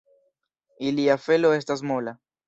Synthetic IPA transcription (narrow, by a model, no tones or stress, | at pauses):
iliafe̞lo̞e̞stasmo̞la